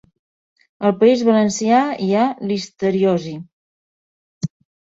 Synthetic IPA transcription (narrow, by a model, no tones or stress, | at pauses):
əlˠpəizβələnsiaialist̪əɾiozi